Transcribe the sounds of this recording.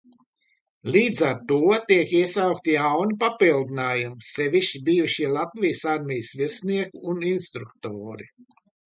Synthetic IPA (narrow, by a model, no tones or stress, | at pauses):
lʲiːd̪zaɾt̪uɔt̪iɛkiɛsawk̚t̪ijawnipapilˠd̪inaːjumsɛvʲiʃibiːjuʃilˠat̪vʲijəsaɾmʲɛjəsviɾsniɛkuːninst̪ɾukt̪oːɾi